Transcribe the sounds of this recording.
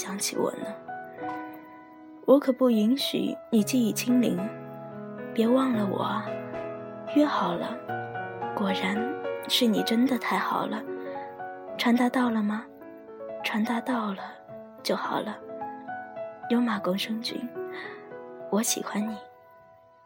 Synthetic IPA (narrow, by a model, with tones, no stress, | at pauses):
ɕjɑ˧˥ŋt͡ɕʰḭ˧wɔ̰˨˩nə˦ | wʔɔ˧˥kʰɤ˨˩pu˥˩i˧˥nɕy̰˨˩ni˨˩t͡ɕi˥˧i˥˩t͡ɕʰi˥ŋlḭ˧˥ŋ | pjɛ˧˥wɑ˥˩ŋlə˩wɔ̰˨˩ | ɥɛ˥˩xɑ˨˩ʊlə˦ | kwɔ˨˩ɻa˧˥nʂɻ̩˥˩ni˨˩ʈ͡ʂə˥nd̪ə˨t̪ʰa˥˩ɪxɑ˨˩ʊlə˦ | ʈ͡ʂʰwa˧˥nt̪a˧˥t̪ɑ˥˩ʊlə˩mɐ˩ | ʈ͡ʂʰwa˧˥nt̪a˥˧t̪ɑ˥˩ʊlə˩ | t͡ɕjo˥˩ʊxɑ˨˩ʊlə˦ | jo˧˥ʊma˨˩kʊ˥ŋʂɤ˥ŋt͡ɕy̰˥n | wɔ˧˥ɕḭ˨˩xwa˧˥nni˨˩˦